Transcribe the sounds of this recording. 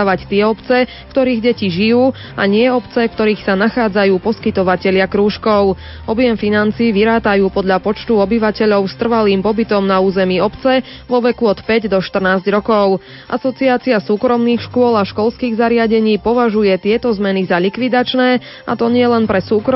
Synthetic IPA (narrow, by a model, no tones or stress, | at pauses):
aʋact̪ɪɛɔpt͡sɛ | kt̪ɔɾiːɣɟɛciʒijuː | a̰ɲɪɛɔpt͡sɛkt̪ɔɾiːxsanaxaːd͡zajuːpɔskit̪ɔʋacɛʎɪakɾuːʃkɔʊ | ʔɔbjɛmfinant͡siːʋiɾaːt̪ajuːpɔd̪ʎapɔt͡ʃt̪uɔbiʋacɛʎɔʊst̪r̩ʋaliːmpɔbit̪ɔmnauːzɛmiːɔpt͡sɛ | ʋɔʋɛkuɔt̪pɛɟd̪ɔʃt̪r̩naːzɟɾɔkɔʊ | ʔasɔt͡siaːt͡siasuːkɾɔmniːxʃkʊɔlaʃkɔlskiːɣzaɾɪaɟɛɲiːpɔʋaʒujɛt̪ɪɛt̪ɔzmɛnizaʎikʋid̪at͡ʃnɛː | a̰t̪ɔɲɪɛlɛnpɾɛsuːkɾ